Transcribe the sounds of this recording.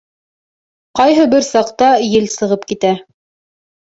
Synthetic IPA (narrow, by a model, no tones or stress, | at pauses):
qɑjɦɤbɘɾsɑqt̪ɑjɘlsɤ̆ʁɤpkit̪æ